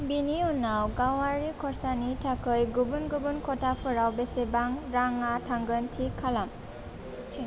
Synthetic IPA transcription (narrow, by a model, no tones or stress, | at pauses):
biniunawɡawaɹikʰɔɹsanitʰakʰɯjɡubunɡubunkʰɔtʰapʰɯɾawbesebaŋɾaŋatʰaŋɡɯntʰikʰːalam